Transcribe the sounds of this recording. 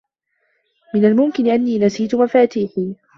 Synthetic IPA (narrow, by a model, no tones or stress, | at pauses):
mɪnalmʊmkɪnɪʔanːiːnasiːt̪ʊmafaːt̪iːħiː